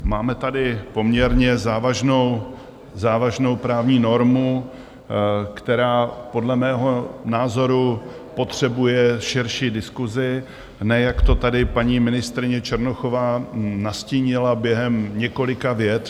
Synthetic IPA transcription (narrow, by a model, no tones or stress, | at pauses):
maːmɛt̪adɪpo̞mɲɛɾɲɛzaːvaʒnow | zaːvaʒno̞wpɾaːvɲiːno̞ɾmu | kt̪ɛɾaːpo̞dlɛmɛːɦo̞naːzo̞ɾu | po̞t̪r̝̥ɛbujɛʃɪɾʃiːdɪskuzɪ | nɛjakt̪o̞t̪adɪpaɲiːmɪnɪst̪ɾɪɲɛt͡ʃɛɾnoxovaːnasciːɲɪlabjɛɦɛmɲɛko̞lɪkavjɛt̪